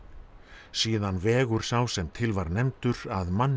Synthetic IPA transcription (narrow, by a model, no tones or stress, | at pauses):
siːðanvɛːɣʏɾ̥sawsɛmt̪ʰɪlvaɾnɛmt̪ʏɾaðmanː